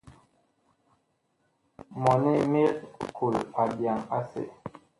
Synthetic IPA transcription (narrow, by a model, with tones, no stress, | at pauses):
mɔ˨ni˦mi˦tkʰu˨la˨bja˨ŋa˦sḛ˨